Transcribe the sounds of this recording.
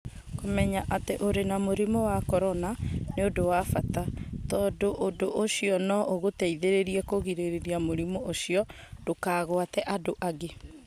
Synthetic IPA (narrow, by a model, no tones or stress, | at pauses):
komɛɲaʔateʔoɾenamoɾimowakɔɾɔnaneodowafatatɔːdoʔodoʔoɕiɔnɔʔoɣotɛiðeɾeɾiɛkoɣiɾeɾeɾiamoɾimoʔoɕiɔd̥okaːɣoatɛʔadoʔaɡe